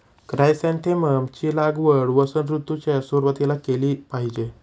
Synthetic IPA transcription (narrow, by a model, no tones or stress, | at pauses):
kɾajsãnt̪ʰeməmt͡ɕiːlaɡʋəɽʋəsənɾut̪ːut͡ɕasuɾʋət̪ilakeliːpaɦid͡ʑe